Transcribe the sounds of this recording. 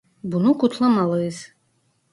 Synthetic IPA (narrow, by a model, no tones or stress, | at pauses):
bunukut̪ʰlˠɐmalˠɨz